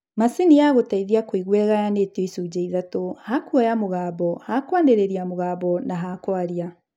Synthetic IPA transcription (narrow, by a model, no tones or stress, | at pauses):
masinijaɣotaiðiakoiɣwɛɣajanetoisud͡ʑeiðatohakuɔjamoɣaːβɔhakwaneɾeɾiamoɣaːβɔnaɦakwaɾia